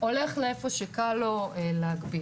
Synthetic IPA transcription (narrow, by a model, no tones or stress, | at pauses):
o̞le̞χleefo̞ʃekaloleaɡbi